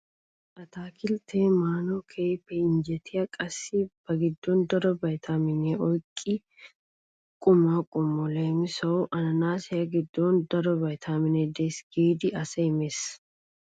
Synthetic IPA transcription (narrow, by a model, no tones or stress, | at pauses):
ʔɐt̪aːkʰɪlt̪ʰeːmaːnɔkʰeːpːɛɪnd͡ʒɛt̪ʰɪjɐkʼɐsːib̥ɐɡɪd̪ːɔnd̪ɐɾɔbɐjt̪ʰaːmɪnɛʔɔjkʼːɪ | kʼʊmaːkʼʊmːɔleːmɪsɐʊʔɐnɐnaːsɪjɐɡɪd̪ːɔnd̪ɐɾɔbɐjt̪ʰaːmɪnɛd̪eːsɡ̥iːd̪ɪʔɐsɛɪmeːs